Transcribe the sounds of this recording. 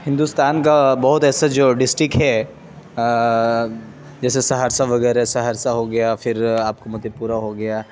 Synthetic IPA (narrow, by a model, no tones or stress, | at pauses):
hɪ̃nd̪ust̪aːnkabɐɦʊt̪ɛːsad͡ʒoːɖɪsʈɾɪkɦɛ | d͡ʒɛːsesɐɦaːɾsaʋɐɡɛːɾɦɛsɐɦaːɾsaɦoɡɐjafɪɾaːp̚komʊd̪ʱepuːɾaɦoɡɐjaː